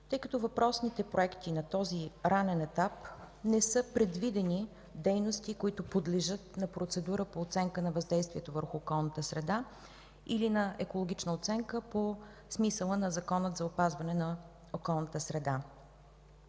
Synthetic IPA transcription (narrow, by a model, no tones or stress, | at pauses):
t̪ɤjkət̪ɔvɐpɾɔsnit̪ɛpɾoɛkt̪inɐt̪ɔziɾanɛnɛt̪ap | nɛsɤpɾɛd̪vid̪ɛni | d̪ɛjnost̪ikoit̪ʊpod̪lɛʒɤt̪nɐpɾot̪sɛd̪uɾəpoːt̪sɛŋkənɐvɐzd̪ɛjst̪viɛt̪ovəɾxʊːkɔlˠnət̪əsɾɛd̪a | ilinɐɛkolˠoɡ̟it͡ʃnəot̪sɛŋkəpo | smisəlˠənɐzɐkɔnət̪zɐopazvɐnɛnɐ | okɔlˠnət̪əsɾɛd̪a